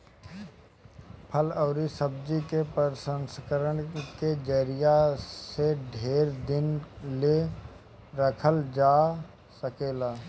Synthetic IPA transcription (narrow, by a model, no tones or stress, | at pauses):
pʰəlɔːɾisəb̚d͡ʒikepəɾsə̃nskəɾəɳked͡ʒəɾijaseɖʱeːɾd̪ɪnle | ɾəkʰəld͡ʒaː | səkeːlaː